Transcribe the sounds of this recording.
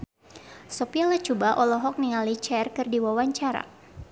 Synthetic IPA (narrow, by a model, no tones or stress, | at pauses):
sɔpialat͡ʃubaʔɔlɔɦɔk̚niŋalit͡ʃɛrkɨrdiwawaɲt͡ʃaɾa̰